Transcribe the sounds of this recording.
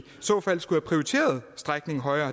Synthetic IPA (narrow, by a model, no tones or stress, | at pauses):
sɔːfæl̰sɡ̥uhæpʰʁioit͡sʰe̝̰ːɐð̞ˠsd̥ʁaɡ̥ne̝ŋɦɒ̽ɪɐː